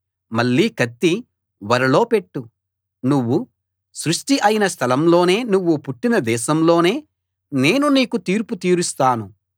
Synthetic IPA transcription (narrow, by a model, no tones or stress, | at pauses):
mɐɭːiːkɐt̪ːi | ʋɐɾɐlo̞ːpe̞ʈːu | nuʋːu | sɾuʂʈiʔɐjinɐst̪ʰɐlɐmlo̞ːne̞ːnuʋːupuʈːinɐd̪ɛːʃɐmlo̞ːne̞ː | ne̞ːnuniːkut̪iːɾput̪iːɾust̪aːnu